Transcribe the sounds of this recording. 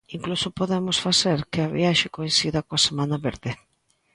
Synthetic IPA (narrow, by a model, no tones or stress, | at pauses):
iŋklusopoðemosfaseɾkɪaβḭaʃɪkojĩnsiðɐkoasemanaβeɾðɪ